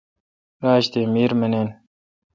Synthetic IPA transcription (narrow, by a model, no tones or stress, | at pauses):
ɾaːɕt̪eːmiːɾmɐneːn